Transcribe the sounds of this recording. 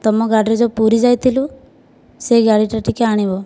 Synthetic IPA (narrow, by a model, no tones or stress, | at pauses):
t̪ɔmɔɡaɖɾid͡ʒɔpuɾid͡ʒajt̪ʰilu | seɡaɽiʈaʈikeaɽ̃ibɔ